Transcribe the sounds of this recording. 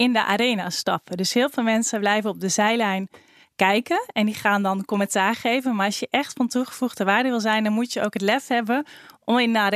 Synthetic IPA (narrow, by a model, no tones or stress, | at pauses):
ʔɪndəʔa̰ːɾejnaːstɑpədøsɦɪːlˠvɪːlˠmɛnsəblɛjvənɔp̚dəzɛjlɛjn | kɛjkənɛndiχaːndɑnkɔmɛntaːɹχejvənmaːɹɑsjəʔɛχtfɔntuχə̥v̥uχdəʋaːɹdəʋɪlˠzɛjndɔnmutjəowkɦətlɛfɦɛbənʔɔmɪnəa